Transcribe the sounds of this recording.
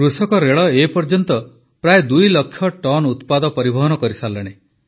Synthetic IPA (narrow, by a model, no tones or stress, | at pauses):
kɾusɔkɔɾeɭɔepɔɾd͡ʒɔnt̪ɔ | pɾaed̪ujlɔkʰːjɔʈɔnut̪pad̪ɔpɔɾibʱɔɦɔnɔkɔɾisalːeɽ̃e